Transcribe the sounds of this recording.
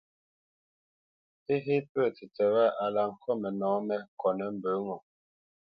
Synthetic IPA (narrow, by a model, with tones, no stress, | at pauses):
e˦ɦe˦pə˦˨ti˨tɛ˨wa˦ʔa˨la˨ŋ̩˨kʰɔ˦mɛ˨nɔ̃ː˨˦mɛ˦kɔ˨nɛ˨˦m̩˦bə˨˦ŋɔ˨